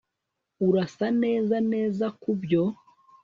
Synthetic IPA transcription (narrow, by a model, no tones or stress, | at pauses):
uɾasane̞ːzane̞ːzakubjo̞